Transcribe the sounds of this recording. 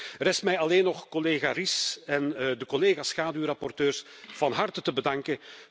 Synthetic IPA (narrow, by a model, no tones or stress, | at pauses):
rɾɛstmɛjɑleːnɔxkɔleːɣarisɛndəkɔleːɣaːsxaːdywrɑpɔrtøːrsv̥ɑnɦɑrtətəbədɑŋkə